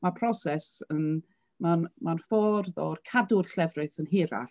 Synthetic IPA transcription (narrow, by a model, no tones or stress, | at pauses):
mapʰrɔsɛsən | manmanfɔːrðɔrkʰadʊrɬɛvrɪθənɦɪːɾa̰